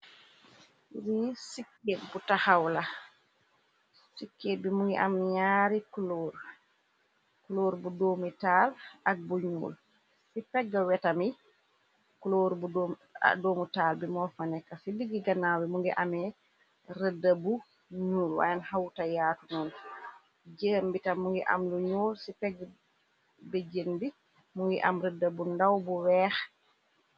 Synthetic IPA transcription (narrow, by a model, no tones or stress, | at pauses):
ɾisikːebutahawla | sikːebimuŋɡɛ̰ʔamːiɲaːɾikloɾ | kuloɾbudomitalak̚buɲṵl | sipɛɡːawɛtami | kloɾbṵdomutaːlbimɔfanɛkːasibiɡiɡanːawimuŋɡɛ̰ʔamɛ | rədabu | ɲuːlwa̰janhawtajaːtunun | d͡ʒembitamːuŋɡɛʔa̰mluɲuːlsipɛɡ | bɛd͡ʒembi | muŋɡɛ̰ʔamɾədabundawbuwɛːx